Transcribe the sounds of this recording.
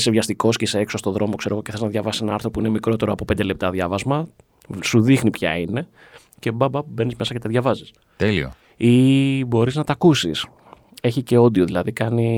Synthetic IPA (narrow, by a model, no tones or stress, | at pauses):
sevʝɐst̪iko̞sceseeksost̪o̞ðɾo̞mo̞kse̞ɾo̞ɣo̞ceθe̞znɐðʝɐvɐsisenɐɐɾθɾopuine̞mikɾo̞t̪e̞ɾoɐpo̞pend̪ele̞pt̪ɐðʝɐvɐzmɐ | suðixnipçɐ̰ine̞ | ce̞bɐbɐbe̞nizme̞sɐcet̪eðʝɐvɐzis | t̪elio | ibo̞ɾiznɐt̪ɐkusis | e̞çice̞o̞d̪io̞ðilɐðikɐni